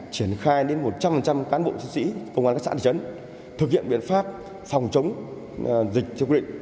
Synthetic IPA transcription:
t͡ɕi˧˩ənxaː˧jɗe˨˦nmo˨˩t̚t͡ɕa˧mfə˨˩nt͡ɕa˧mkaː˨˦nɓo̰˧˨t͡ɕi˧˥sḭ˧˥kə˧wŋ͡maː˧nka˦˥sa̰ː˧˥˧ə˨˦n | t̪ʰɨ˨˩k̚hḭ˧˨əmɓḭ˧˨ənfaː˦˥p̚ | fɔ˨˩wŋ͡mt͡ɕə˨˦wŋ͡m | zï˨˩k̚t̪ʰɛ˧wi˧ɗḭ˧˨ŋ

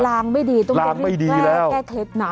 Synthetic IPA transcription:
laː˧ŋma˥˩jdiː˧t̪ɔ˥˩la˧ŋ˥ma˥˩jdiːlɛː˧lɛː˦˥˩wkɛː˥˩kʰle˦˥naː˨˦

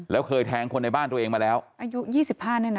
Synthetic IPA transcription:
lɛː˦˥wkʰɤː˧jt̪ʰɛː˦˥ŋkʰo˧nːa˧jbaː˥˩nt̪u˧ɐ˧ʔeː˧ŋmaː˧lɛː˦˥wʔaː˧ju˦˥jiː˥˩si˨˩p̚haː˥˩niː˥˩na˦

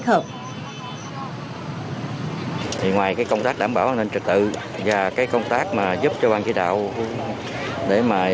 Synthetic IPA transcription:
ə˨˩k̚ | t̪ʰi˨˩ŋwaː˨˩jkaː˨˦jkə˧ŋ͡mt̪aː˦˥k̚ɗaː˧˩mɓaː˧˩wa˧ne˧nt͡ɕɨ˨˩k̚t̪ɨ̰˧˨ | vaː˨˩kaː˨˦jkɔ˧wŋ͡mt̪aː˦˥k̚maː˨˩zu˦˥p̚t͡ɕɔ˧ɓaː˧nkḭ˧˥˦ɗa̰ː˧˨w | ɗe˧˩maː˨˩

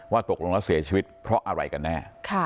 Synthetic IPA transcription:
waː˥˩t̪o˨˩k̚lo˧ŋla˦˥si˩˦ɐt͡ɕʰiː˧wi˦˥t̪̚pʰɾɔ˦˥ʔa˧ɾa̰˧jka˧nːɛː˥˩kʰa˥˩

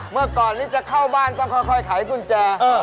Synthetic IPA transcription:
mɯ˧˩əkɔː˨˩nt̪i˦˥t͡ɕa˨˩kʰaː˧˥˩wɓaː˧˩nt̪ɔ˧˩ŋkʰɔː˧˩jkʰɔ˧˩jt̪ʰa˨˩˦jkʰu˧˩nt͡ɕaː˨˧˩ʔəː˧˩

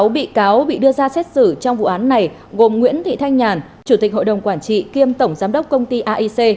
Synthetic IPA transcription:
wɓḭ˧˨kaː˨˦wɓḭ˧˨ɗɨ˧əzaː˧sɛ˦˥t̚sɨ˧˩t͡ɕɔ˧wŋ͡mvṵ˧˨ʔaː˨˦nːa˨˩j | ɣo˨˩mŋwḭ˧˥ənt̪ʰḭ˧˨t̪ʰa˧jŋɲaː˨˩n | t͡ɕu˧˩t̪ï˨˩k̚ho̰˧˨jɗə˨˩wŋ͡mkwaː˧˩nt͡ɕḭ˧˨ki˧əmt̪ə˧˩wŋ͡mzaː˨˦mɗə˦˥k͡p̚kə˧wŋ͡mt̪i˧ʔaː˧ʔi˧se˧

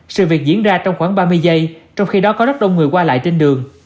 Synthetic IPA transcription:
sɨ̰˧˨vi˨˩ək̚zḭ˧˥ənzaː˧t͡ɕɔ˧wŋ͡mxwaː˧˩ŋɓaː˧mɨ˧əjzə˧jt͡ɕɔ˧wŋ͡mxi˧ɗɔ˨˦kɔ˨˦zə˦˥t̚ɗə˧wŋ͡mŋɨ˨˩əkwaː˧la̰ː˧˨jt͡ɕe˧nɗɨ˨˩əŋ

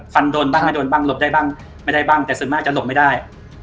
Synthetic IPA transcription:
fa˧ndoː˧nbaː˥˩ŋa˥˩doː˧nbaː˥˩ŋlo˨˩p̚daː˥˩jbaː˥˩ŋ | ma˥˩jda˥˩jbaː˥˩ŋt̪ɛː˨˩sɯ˨˩˦nmaː˥˩k̚t͡ɕa˨˩lo˨˩p̚ma˥˩jdaː˥˩j

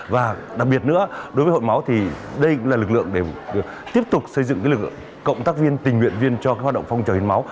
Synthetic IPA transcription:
vaː˨˩ɗa˨˩k̚ɓi˨˩ət̚nɨ̰˧˥əɗo˨˦jvə˨˦ho̰˧˨jma˨˦wt̪ʰi˨˩ɗə˧jkʊ̰˧˥ŋ͡mlaː˨˩lɨ˨˩k̚lɨ̰˧˨əŋɗe˧˩˨ | t̪i˦˥əp̚t̪ʊ˨˩k͡p̚sə˧jzɨ̰˧˨ŋkaː˨˦jlɨ˨˩k | kːə̰˧˨wŋ͡mt̪aː˦˥k̚vi˧ənt̪i˨˩ŋ̟hwḭ˧˨ənvi˧ənt͡ɕɔ˧kaː˨˦jhwa˨˩ɗə̰˧˨ŋ͡mfa˧wŋ͡mt͡ɕəː˨˩i˨˧˦nma˨˦w

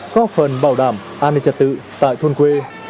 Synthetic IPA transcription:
kɔ˨˦fə˨˩nɓaː˧˩wɗaː˧˩m | ʔaː˧ni˧t͡ɕə˨˩t̚t̪ɨ̰˧˨t̪a̰ː˧˨jt̪ʰu˧nkwe˧

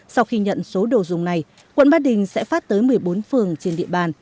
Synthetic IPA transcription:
sa˧wxi˧ɲə̰˧˨nso˨˦ɗo˨˩zʊ˨˩ŋ͡mna˨˩j | kwə̰˧˨nɓaː˦˥ɗï˨˩ŋ̟sɛ̰˧˥faː˦˥t̚t̪əː˨˦jmɨ˨˩əjɓo˨˦nfɨ˨˩əŋt͡ɕe˧nɗḭ˧˨əɓaː˧˩n

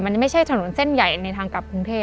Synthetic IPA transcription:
ma˧n˨ma˥˩jt͡ɕʰa˥˩jt̪ʰa˧no˩˦nse˥˩nja˨˩jna˧jt̪ʰaː˧ŋka˨˩pkʰu˧ŋt̪ʰeː˥˩

